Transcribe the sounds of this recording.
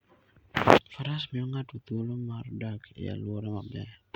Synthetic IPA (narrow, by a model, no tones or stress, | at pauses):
faɾasmiɔŋat̪ut̪ulomardakḭja̰luoɾɛmabɛ